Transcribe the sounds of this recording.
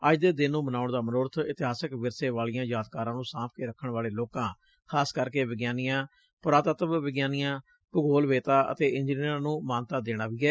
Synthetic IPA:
əd͡ʒd̪eːd̪ɪnːũːmənaːʊɳd̪aːmənoːɾət̪ʰɪt̪ɪɦaːsəkʋɪɾseːʋaːlɪjãːjaːt̪̚kaːɾãːnũːsãːpʰkeːɾəkʰːəɳʋaːleːloːkãː | kʰaːskəɾkeːʋɪɡjaːnijãː | pʊɾaːt̪ət̪ʋʋɪɡjaːnijãː | pəɡoːlʋeːt̪aːʔə̰t̪eːɪɲd͡ʒniɾãːnũːmaːnt̪aːd̪eːɽ̃aːʋiːɛː

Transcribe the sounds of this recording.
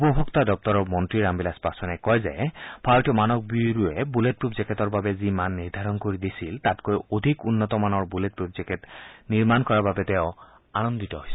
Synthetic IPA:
upɔbʱɔktadɔp̚tɔɹɔpmɔntɹiɹambilaspasɔnɛkɔjzɛ̰b̥ʰʱatɔmanɔk̚biɹuɛbulet̚pɹubzɛketɔɹbabɛzimanːiɹd̪ʱaɹɔnkoɹidisiltatkojodʱikunːɔtɔmanɔɹbulet̚pɹubzɛkɛtniɹmankɔɹababɛtɛʊ̃ | anɔnditɔɦojsɛ

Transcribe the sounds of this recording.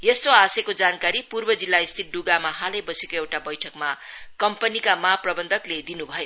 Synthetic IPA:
jest̪oasekod͡zankaɾipurbʌd͡zilːaist̪ʰit̪̚ɖuɡamahalʌjbʌsekoewʈabʌjʈʰʌkmakʌmpʌnikamaprʌbʌnd̪ʱʌkled̪inubʱʌjo

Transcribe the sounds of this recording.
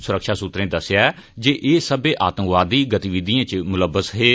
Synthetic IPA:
sʊɾəkʃaːsut̪ɾẽːd̪əsɪjaːɛ | d͡ʒeːʔeːsəbeːʔaːt̪ə̃ŋkʋaːd̪iːɡət̪iːʋɪd̪iːãːt͡ʃmʊləbːəsɦeː

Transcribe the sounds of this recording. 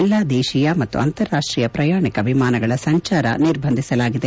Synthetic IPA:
lːaːd̪ɛːʃijɐmɐt̪ːṵɐnt̪ɐɾːaːʂʈɾiːjɐpɾɐjaːɳikɐbʱimaːnɐɡɐɭɐsɐɲt͡ʃaːɾɐ̰niɾbʱɐnd̪ʱisɐlaːɡid̪e

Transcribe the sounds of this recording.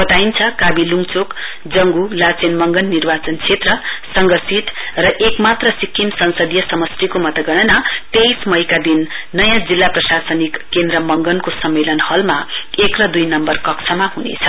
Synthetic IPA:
bʌt̪aint͡sʰʌkabiluŋt͡sok | d͡zʌŋɡulat͡senmʌŋɡʌnːirbat͡sʌnt͡sʰet̪rʌsʌŋɡʌsit̪rʌʔekmat̪rʌsikʰːimsʌnsʌd̪jʌsʌmʌst̪ikomʌt̪ʌɡʌɽ̃ʌnat̪ejsmʌjkad̪inːʌjãd͡zilːaprʌsasʌnikːend̪rʌmʌŋɡʌnkosʌmːelʌnhʌlmaekrʌd̪ujnʌmbʌrkʌksʰʌmaɦunḛt͡sʰʌ

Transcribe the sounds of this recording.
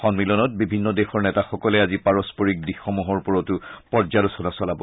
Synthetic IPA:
xɔnmilɔnɔt̚bibʱinːɔdexɔɹnɛtaxɔkɔlɛazipaɹɔspɔɹik̚dixɔmuɦɔɹpɔɹɔtʊpɔɹzalusɔnasɔlabɔ

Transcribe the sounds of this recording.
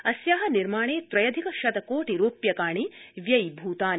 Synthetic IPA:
ɐsjaːɦɐniɾmaːɳeːt̪ɾɐjɐd̪ʱikɐʃɐd̪ɐkoːʈiɾuːpjɐkaːɳiʋjɐjbʱuːt̪aːn

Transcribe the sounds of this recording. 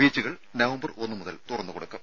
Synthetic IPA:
iːt͡ɕːuɣɐɭ | nɐʋɐmbɐro̞nːɨmuðɐlt̪urɐnːɨkoɽukːɐm

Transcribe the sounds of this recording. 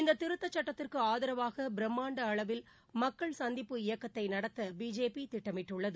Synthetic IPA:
ɪnd̪ɐt̪ːɪɾɯt̪ːɐt͡ʃːɐʈːɐt̪ːɪrkɯaːðɐɾɐʋaːɣɐbɪɾɛmːaːɳɖɐːɭɐʋɪl | mɐkːɐɭsɐnd̪ɪpːɯɪjɐkːɐt̪ːɐɪnɐɽɐt̪ːɐbiːd͡ʒeːpit̪ɪʈːɐmɪʈːɯɭːɐðɯ

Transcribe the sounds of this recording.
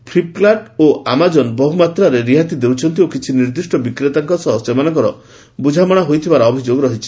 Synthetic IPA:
pʰɾiplaʈoʔamad͡ʒɔnbɔɦumat̪ɾaɾeɾiɦat̪id̪ewt͡ʃʰɔnt̪̬iokit͡ʃʰiniɾd̪isʈɔbikɾet̪aŋkɔsɔɦɔst͡ʃemanɔŋkɔɾɔ | bud͡ʒʱamɔɽ̃aɦojt̪ʰibaɾɔɔbʱid͡ʒoɡɾɔɦit͡ʃʰi̥

